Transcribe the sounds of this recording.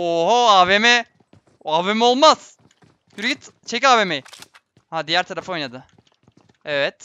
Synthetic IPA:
oɦoaːvemɛ | aːvemɛo̞lˠmaz̥ | byɾɡʲit̪t͡ʃʰecaːvemej | had̪ijæɾt̪ʰaɾafaojnad̪ɯ | evɛt̪

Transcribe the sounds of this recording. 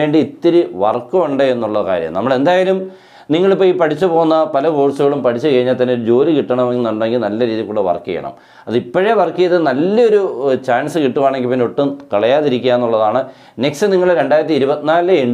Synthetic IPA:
e̞ːɳɖiit̪ːiɾɨʋɐ̰rkːɐmuɳɖeenːuɭːɐka̰ːɾjɐ̰mnɐmːɐɭe̞nd̪aːjalum | niŋːɐɭipːoːjipɐʈʰit͡ɕːupo̞ːunːɐpɐlɐbo̞ːɻsuɣɐɭumpɐʈʰit͡ɕːukɐɻiɲːalt̪ɐneoɾud͡ʑo̞ːlikiʈːɐɳɐmeŋnɐɳɖeŋɡilnɐlːɐɾiːðjilkuːɽeʋɐ̰rkːḭjɐ̰ɳɐ̰m | ɐðipːɐɻeʋɐrkːijɐðɨnɐlːɐo̞ɾut͡ɕaːnsɨkiʈːuʋaːɳeŋɡipinːoʈːumkɐɭɐjaːðiɾikʲːujaenːuɭːɐðaːɳɨ | ne̞ksɨniŋːɐɭɾe̞ɳɖaːjɾɐt̪ːiɾubɐt̪ːinaːleɳ

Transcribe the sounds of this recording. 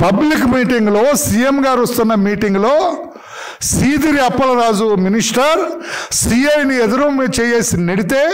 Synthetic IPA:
pɐblikmiːʈiŋɡuloːsijemɡaːɾɐst̪unːɐmiːʈiŋɡlo̞ː | siːd̪iɾiɐpːɐlɐɾaːd͡ʒuminiʂʈɐɾsiːɐjnied̪uɾɐmit͡ʃɛːjeːsineɽit̪e̞ː

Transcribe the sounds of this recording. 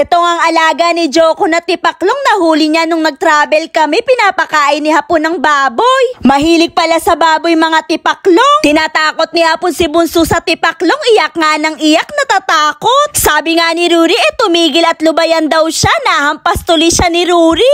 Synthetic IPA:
ʔɛt̪o̞ŋɐŋɐlaːɡɐnɪd͡ʒoːkonɐt̪ɪpɐkloŋnɐhuːlɪɲanʊŋnɐɡ̚t̪ɾaːbɛlkɐmɛpɪnaːpɐkaːʔɪnɪhɐponɐŋbaːbojmɐɦiːlɪɡ̚pɐlasɐbaːbojmɐŋat̪ɪpɐkloŋt̪ɪnaːt̪aːko̞t̪̚nɪhɐponsɪbʊnsusɐt̪ɪpɐkloŋɪjɐk̚ŋanɐŋɪjak̚nɐt̪aːt̪aːkot̪̚saːbɪŋanɪɾuːɾiʔɛt̪ʊmiːɡɪlɐt̪lʊbɐjɐnd̪ɐwʃanɐhɐmpɐst̪ʊliʃanɪɾuːɾi

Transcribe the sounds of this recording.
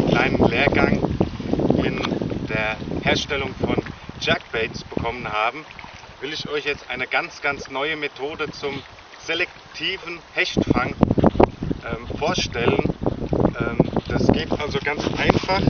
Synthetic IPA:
kl̥aɪnənleːɐɡaŋ | ɪnd̥eːɐheːɐʃtɛlʊŋfɔnd͡ʒak̚b̥ɛtsb̥əkʰɔmənhaːbm̩ | vɪlɪçʔɔʏçjɛt͡stʔaɪnəɡant͡sɡ̥ant͡snɔʏəmetʰoːdət͡sʊm | z̥elɛk | tʰiːvn̩hɛçtfaŋ | ʔɛːmfoːɐʃtɛlənʔɛːmd̥asɡ̥eːtʔalzoɡant͡sʔaɪnfaχ

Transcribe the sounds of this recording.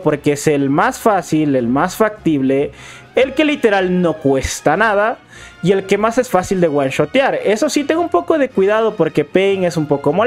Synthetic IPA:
po̞ɾkeeselmasfasilelmasfak̚t̪iβle̞ː | lke̞lit̪e̞ɾalno̞kwe̞st̪anaða | ie̞lke̞mase̞sfasild̪e̞ɣwanʃo̞t̪jaɾe̞so̞sit̪̬eŋɡoumpo̞ko̞ð̞e̞kwiðað̞o̞poɾke̞pejŋe̞sumpo̞komo

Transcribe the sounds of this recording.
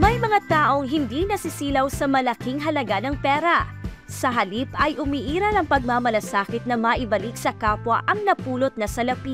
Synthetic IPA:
mɐjmɐŋat̪aːʔo̞ŋɦɪnd̪inɐsɪsiːlɐwsɐmɐlɐkiŋɦɐlɐɡanɐŋpɛːɾɐ | sɐɦɐlipɐjʔʊmiːʔiːɾɐnɐŋpɐɡ̚mamɐlɐsaːkɪt̪̚nɐmɐʔɪbɐlik̚sɐkaːpwɐʔɐŋnɐpuːlot̪̚nɐsɐlɐpi

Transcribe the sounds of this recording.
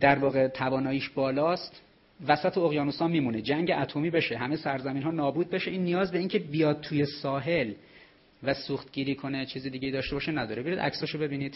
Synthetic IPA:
d̪æɾvɒːɣe̞t̪ʰævɒːnɒːjiːʃbɒːlɒːst̪ | væsæt̪ʰeoɣjɒːnusɒːmiːmuned͡ʒæŋɟeʔæt̪ʰomiːbe̞ʃeɦæmejsæɾzæmiːnɦɒːnɒːbuːd̪̚be̞ʃeʔiːnːijɒːzbe̞iːŋcʰe̞bijɒːd̪̚t̪ʰuːje̞sɒːɦe̞l | væsuːxt̪ɡiːɾiːkʰonet͡ʃʰiːzed̪iːɟejid̪ɒːʃt̪e̞bɒːʃenæd̪ɒ̰ːɾeeɾid̪æ̰csɒːʃobe̞biːniːd̪̥

